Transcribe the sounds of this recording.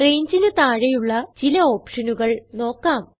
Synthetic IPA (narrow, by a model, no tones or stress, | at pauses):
re̞jɲd͡ʑinɨt̪aːɻɐjuɭːɐt͡ɕilɐo̞ːpʂɐnuɣɐɭno̞ːkːaːm